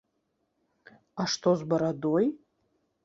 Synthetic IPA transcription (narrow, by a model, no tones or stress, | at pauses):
aʂtʰo̞zbaɾadoj